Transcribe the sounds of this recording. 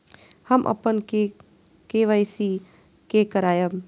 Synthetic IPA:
həmʔə̰pənke | keʋəjsi | kekəɾaːjəm

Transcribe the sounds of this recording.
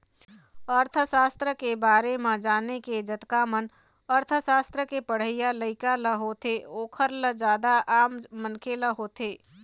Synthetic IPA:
əɾt̪ʰəsaːst̪ɾəkebaːɾemãd͡ʒaːneked͡ʒət̪kamən | əɾt̪ʰəʃaːst̪ɾəkepəɽ̤əɪjaləɪkaləɦoːt̪eoːkʰəɾləd͡ʒaːd̪aʔaːmːənkʰeləɦoːt̪eː

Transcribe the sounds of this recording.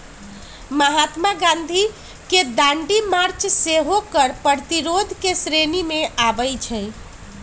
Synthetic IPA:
məɦat̪maɡãnd̪ʱi | ked̪ãɳɖimaɾt͡ʃseɦokəɾpəɾt̪iɾod̪ʱkesɾenimeʔabəjt͡ʃʰə

